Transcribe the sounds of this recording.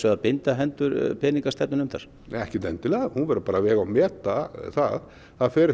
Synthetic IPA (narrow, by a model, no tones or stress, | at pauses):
sɛɣðapɪnt̪aɦɛnt̪ʏɾpʰɛːniŋkast̪ɛp̚nʏnʏmθa̰ɾ̥ | ɛhcɪt̪ɛnt̪ɪlɛahunvɛɾʏpaːɾavɛːɣawmɛːt̪aθað | θaðfɛːɾɪ